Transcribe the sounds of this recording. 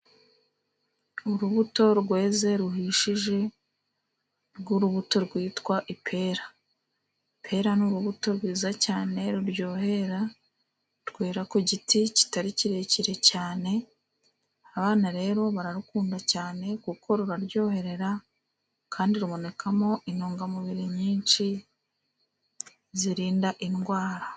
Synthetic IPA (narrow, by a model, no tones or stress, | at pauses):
uɾuβuto̞ɾɡwe̞ːze̞ɾuɦiʃiʒe̞ | ɾɡuɾuβuto̞ɾɡwiːtkwaʔipʰe̞ːɾa | pʰe̞ɾanuɾuβuto̞ɾɡwiːzacaːne̞ɾuɾjo̞ːhe̞ɾa | tkweːɾakoɟitici̥taɾiciɾe̞ːciɾe̞caːne̞ | aβaːnaɾe̞ːɾo̞βaɾaɾukuːndacaːne̞kukʰo̞ɾuɾaɾjo̞ːhe̞ɾe̞ɾa | kʰaːndiɾumo̞ne̞kʰamo̞ʔinoːŋɡamuβiɾiɲiːnt͡ʃi | ziɾiːndaʔinɡwaːɾa